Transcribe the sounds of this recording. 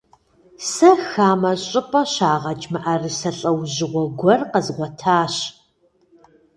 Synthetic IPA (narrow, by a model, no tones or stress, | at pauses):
sɐxaːmɐɕʼɪpʼɐɕaːʁɐt͡ʃʼmɐʔɐrɨsɐɬʼɐwʑɪʁʷɔɡʷɔrqəzʁʷɔtʰaːɕ